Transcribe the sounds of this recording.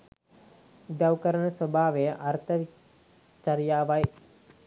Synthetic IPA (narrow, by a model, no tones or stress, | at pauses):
d̪awkəɾənəsɐbʱaːʋejəʔɐrt̪ʰəʋi | t͡ʃaɾjaːʋaj